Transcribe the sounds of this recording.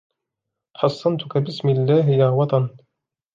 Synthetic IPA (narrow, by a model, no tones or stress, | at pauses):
ħɑsˤːɑnt̪ʊkabɪsmɪlːaːɦjaːwɑt̪ˤɑn